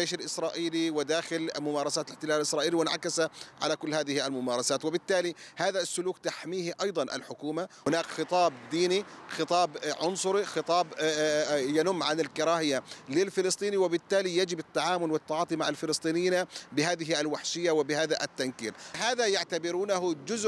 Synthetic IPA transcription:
d͡ʒeːʃalʔɪsɾˤɑːʔiːliwɪd̪aːxɪlmʊmaːɾˤɑsaːt̪lɪħt̪ɪlaːllʔɪsɾˤɑːʔiːliwɪnʕa̰kasaʕa̰lakʊlːhaːðɪhialmʊmaːɾˤɑsaːt̪wɪbɪt̪ːaːlihaːðasːʊluːkt̪aħmiːhʔɑjd̪ˤɑnʔa̰lħʊkuːmahʊnaːkxɨt̪ˤɑːbd̪iːnixɨt̪ˤɑːbʕʊnsˤʊɾixɨt̪ˤɑːb | janʊmːʕanɪlkɪɾˤɑːhɪjalɪlfɪlɨst̪ˤiːniwɪbɪt̪ːaːlijad͡ʒɪbɪt̪ːaʕaːmʊlwɪt̪ːaʕɑːt̪ˤimaʕalfɪlɨsˤt̪ˤiːnɪjnabɪɦaːðɪɦiʔalwaħʃɪjːawɪbɪhaːðaʔat̪ːankḭːlhaːðajaʕt̪abɪɾuːnaɦʊd͡ʒʊz

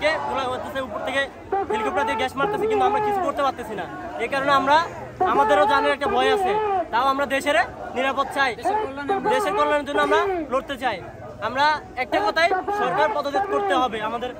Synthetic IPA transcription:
kebulaot̪eseupoɾt̪ʰeke | bʱilikʰop̚ʈad̪ieɡɛʃmaɾt̪esʰikint̪uamɾakit͡ɕʰukoɾt̪epaɾt̪esʰinaekaɾoneamɾa | amad̪eɾod͡ʑaneɾɛk̚ʈabʱɔeasʰit̪aoamɾad̪eʃeɾniɾapot̪̚ːt͡ɕaj | d̪eʃeɾk̪ɔɾlaneɾd͡ʑonːoamɾaloʈt̪et͡ɕaj | amɾa | ɛk̚ʈakɔt̪ʰajʃɔɾkaɾpɔd̪od̪it̪̚koɾt̪eɦɔbeamad̪eɾ

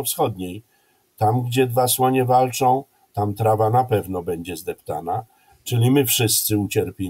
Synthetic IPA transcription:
ɔfsxɔd̪ɲej | t̪amɡd͡ʑɛd̪vaswɔɲɛvalt͡ʂɔ̃w̃ | t̪amt̪ɾavanapɛvnɔbɛɲd͡ʑɛzd̪ɛpt̪ana | t͡ʂɘlʲimɘfʂɘst̪sɘut͡ɕɛɾpʲe

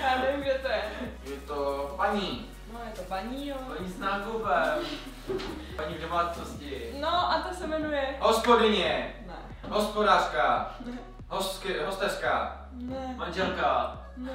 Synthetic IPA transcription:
anɛviɡd͡ʒɛt̪oɛjɛt̪opaɲi | njɛt̪obaɲiɔpaɲisnaːɡobɛ | paɲivdomaːt͡s̪noscɪnoʔat̪asɛmɛnujɛɦospodɪɲɛn | ɦospodaʂka | ɦoskɦost̪ɛʂka | maɲd͡ʒɛlka

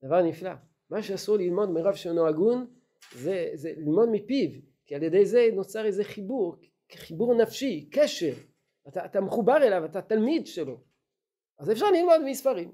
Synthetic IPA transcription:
d̪avaʁnifla̰ | maʃeasuʁlilmo̞d̪miʁavʃelnoaɡun | zezelilmo̞d̪mipiv | kialjed̪ejze̞not͡saʁezeχibuʁ | χibuʁnafʃikeʃe̞ʁ | at̪aːt̪ameχubaʁelavat̪at̪almid̪ʃe̞lo̞ | azefʃ̬aʁlilmo̞d̪miispaʁim

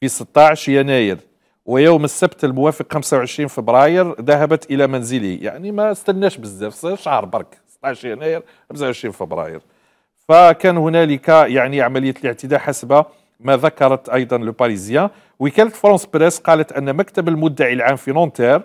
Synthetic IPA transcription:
fisət̪ˤːɑʕʃjænæjəɾ | wəjuwməsæbt̪əlmʊwæfəqxæmsawʕəʃɾinfəbɾɑjəɾd̪æɦæbət̪ʔəlæmænzəlḭja̰ʕnimæst̪ænːæʃbəzːæfsʃɑhɾˤbɑ̰ɾˤk | sə̥t̪ˤːɑʕʃjænæjəɾ | xams̬awʕəʃɾinfəbɾɑ̰jə̰ɾ | fækænhʊnæləkæjaʕniʕamæləjːæt̪ləʕt̪əd̪aħasbæ | mæðɑkɑɾˤɑt̪ʔɑjd̪ˤɑnləpɑɾizjæ̃ | wəkælət̪fɾˤɑ̃sbɾæsqɑlət̪ʔənːmækt̪əbəlmʊd̪ːaʕilʕamfinɔnt̪ɛɾ

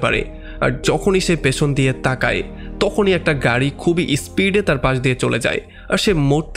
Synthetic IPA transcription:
pa̰ɾḛ | a̰ɾd͡ʑɔkʰoniʃepet͡ɕʰond̪iet̪aka̰e | t̪ɔkʰoniɛk̚ʈaɡaɾikʰubiʔispiɖet̪aɾpaʃ̬d̪iet͡ɕoled͡ʑa̰e | aɾʃemoɾt̪

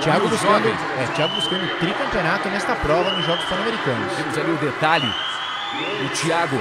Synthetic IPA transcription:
t͡ʃiaɡʊbuskõd̪ʊ | ɛt͡ʃiaɡʊbuskõʊt̪ɾikɐ̃mpeonat̪ʊnɛst̪ɐpɾɔvɐnʊʒɔɡʊspoɾnɐmeɾikɐ̃nʊt̪ẽmʊzaliʊd̪et̪alʊ̰ | ʊt͡ʃiaɡʊ

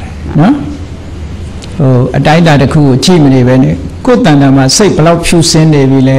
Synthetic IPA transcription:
nɔ | hoʔətãnd̪atəkʰṵɡot͡ɕḭmənebɛnɛ̰ko̰t̪ãnd̪ãma̰seɪʔbəlaʊʔpʰjṵsɪ̃nebilɛ

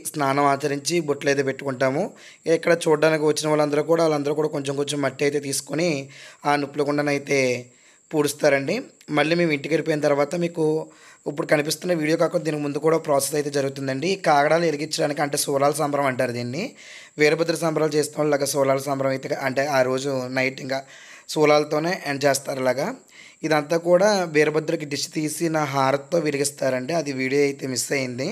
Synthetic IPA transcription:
snaːnɐmaːt͡ʃɐɾiɲt͡ʃiboʈːleːd̪uːpe̞ʈːukuɳʈaːmu | ɛkːɐɽɐt͡ʃuːɖːaːnikiʋɐt͡ʃːinɐʋaːɭːɐnd̪ɐɾukuːɽaːʋlɐnd̪ɐɾuːkuːɽaːko̞ɲt͡ʃemkoɲt͡ʃemːɐʈːiɐjt̪e̞ːt̪iːsu̥koniaːnupːulɐkuɳɖɐnɐjt̪e̞ː | puːɽust̪aːɾɐɳɖimɐɭːiːmeːmiɳʈikeɾipojinɐt̪ɐɾuʋaːt̪ɐmiːkuip̬ːuɽukɐnipist̪unːɐʋiːɽijo̞ːkɐkːuɽd̪iːnikimund̪ukuːɽaːpɾaːsesɐjt̪̬e̞ːd͡ʒɐɾuɡut̪̬und̪ɐɳɖikaːɡɐɽaːlueɾiɡit͡ʃːɐɽaːnikiɐɳʈe̞ːsuːlaːlɐsɐːmbɐɾɐmɐɳʈaːɾud̪iːnːi | ʋeːɾɐbɐd̪ːulɐsɐmbʱɐɾaːlt͡ʃeːst̪aːaːlulaːɡasuːlaːlɐsɐːmbʱɐɾɐmɐjt̪eɐɳʈe̞ːaːɾo̞ːd͡ʒunɐjʈiŋɡa | suːlaːlɐt̪o̞ːne̞ːʔɐnt͡ʃeːst̪aːɾɐlaːɡaː | id̪ɐnt̪aːkuːɽaːʋeːɾubɐd̪ːulɐk̬iɖist̪iːsinɐɦaːɾɐt̪ːo̞ːʋiɾiɡist̪aːɾɐɳɖeːɐd̪iʋiːɽijoːɐjt̪e̞ːmisɐjind̪i

